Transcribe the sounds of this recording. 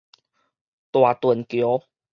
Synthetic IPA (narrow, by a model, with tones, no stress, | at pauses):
t̪wa˨˩t̪wə˨˩nkjo˨˦